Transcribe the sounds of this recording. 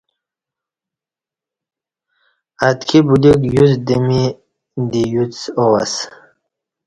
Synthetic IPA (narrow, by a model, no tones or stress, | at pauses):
at̪kʰibulikjuzd̪əmi | d̪ijut͡sowas